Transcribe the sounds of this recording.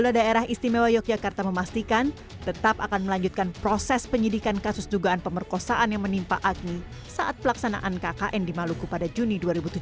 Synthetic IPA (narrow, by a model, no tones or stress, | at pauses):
uladaeɾaɦist̪imewajɔk̚d͡ʒakart̪aməmast̪ikan | t̪ət̪apakanməlaɲd͡ʒut̪̚kanpɾosɛspəɲidikankasʊsduɡaːnpəmərkosaʔanjaŋmənimpa̰ʔak̚ni | saʔat̪̚pəlaksana̰ʔankakaʔɛndimalukupadad͡ʒuniduaɾibut̪ud͡ʒ